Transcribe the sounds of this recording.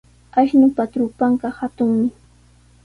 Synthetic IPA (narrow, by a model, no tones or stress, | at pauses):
aʃnʊpat̪ɾʊpaɴɢɑhat̪ʊŋmɪ